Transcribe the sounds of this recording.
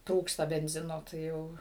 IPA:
ˈtruːkstɐ bʲɛnʲˈzʲɪnoː tɐɪ ˈjɛʊ

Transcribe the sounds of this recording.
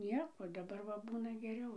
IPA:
ˈnʲiɛkoː dɐˈbɐr ʋɐ ˈbuːnɐ ɡʲɛˈrʲɛʊ

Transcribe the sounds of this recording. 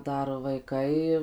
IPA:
ˈdɐr ʋɐɪˈkɐɪ

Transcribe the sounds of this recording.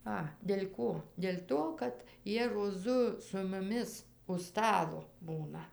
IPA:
ˈɐ dʲɛlʲ ˈkoː dʲɛlʲ ˈtoː kɐt ˈjiɛ roːˈzʊ sʊ mʊˈmʲɪs ʊʃ ˈstɑːlˠoː ˈbuːnɐ

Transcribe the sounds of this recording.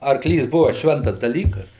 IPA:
ɐrˈklʲiːs ˈbʊʋɐ ˈʃʲʋʲɛntɐs dɐˈlʲiːkɐs

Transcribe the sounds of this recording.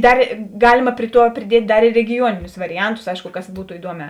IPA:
ˈdɐr ˈɡɑːlʲɪmɐ ˈpʲrʲɪ ˌtuɔ pʲrʲɪˈdʲiɛtʲ ˈdɐr ɪr rʲɛɡʲɪˈjuɔnʲɪnʲʊs ʋɐrʲɪˈɐntʊs ˈɐɪʃkʊ ˈkɐs ˈbuːtoː ɪˈduɔˌmʲɛː

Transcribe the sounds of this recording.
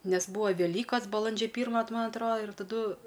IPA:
nʲɛs ˈbuːɐ ʋʲɛˈlʲiːkɐs bɐˈlˠɐnʲd͡ʒʲɛ ˈpʲiːrmɐ t ˈmɐn ˈɑːtroːdɐ ɪr tɐˈdʊ

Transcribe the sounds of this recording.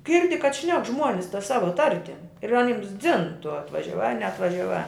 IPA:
ˈɡʲɪrʲdʲɪ kɐt ˈʃʲnʲɛk ˈʒmuɔnʲɪs tɐ ˈsɑːʋɐ ˈtɐrʲtʲɪm ɪr ɐˈnʲɪms d͡zʲɪn tʊ ɐtʋɐʒʲɛˈʋɑː ɐr nʲɛɐtʋɐʒʲɛˈʋɑː

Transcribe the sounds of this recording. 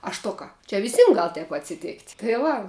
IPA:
ɐ ˈʃtʊkɐ t͡ʃʲɛ ʋʲɪˈsʲiːm ɡɐlˠ tɐɪp ɐtʲsʲɪˈtʲeːktʲ tɐɪ ˈʋɐ

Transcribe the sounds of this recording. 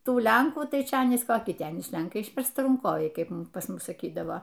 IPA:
ˈtuː ˈlʲɛŋkuː ˈtɐɪ ˈt͡ʃʲɛ ˈɑːnʲiːs koːˈkʲɪ ˈtʲɛn ɪʃ ˈlʲɛŋkɐɪ ɪʃʲʋʲɛrstɐrɐŋˈkoːʋʲɛɪ ˈkɐɪp pɐs ˈmʊs sɐˈkʲiːdɐʋoː

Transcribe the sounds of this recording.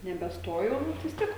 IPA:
nʲɛbʲɛˈstoːjɛʊ bʲɛt ʋʲɪs ˈtʲiɛk

